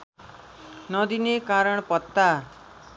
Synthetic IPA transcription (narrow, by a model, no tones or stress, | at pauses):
nʌd̪inekaɾʌɳ̃pʌt̪ːa